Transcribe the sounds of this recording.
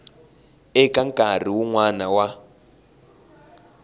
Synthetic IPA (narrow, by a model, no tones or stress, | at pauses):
ɛkaŋkʼar̤iwuŋwanawa